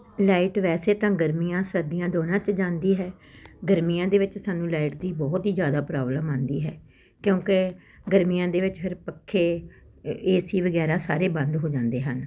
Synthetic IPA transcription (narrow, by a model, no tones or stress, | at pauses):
laːɪʈʋɛːseːt̪ãːɡəɾmijãːsəɾd̪ijãːd̪oːnãːt͡ʃd͡ʒãːnd̪iːɦɛː | ɡəɾmijãːd̪eːʋɪt͡ʃsaːnũːlaːiʈd̪iːbɔːt̪ɦiːzjaːd̪aːpɾaːbləmãːnd̪iːɦɛː | kjõːkɪ | ɡəɾmijãːd̪eːʋɪt͡ʃpʰɪɾpəkʰːeː | eːsiːʋəɡɛːɾaːsaːɾeːbənd̪ɦoːd͡ʒãːnd̪eːɦən